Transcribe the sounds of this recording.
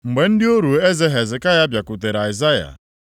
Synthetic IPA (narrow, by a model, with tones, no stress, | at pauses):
ŋ͡m̩˨ɡ͡be˨n̩˦dɪ˦o˦ɾu˨e˦zɛ˦ɦɛ˨zɪ˨ka˦ja˦bja˨ku˨t̬e˨ɾa˨i˨za˦ja̰˨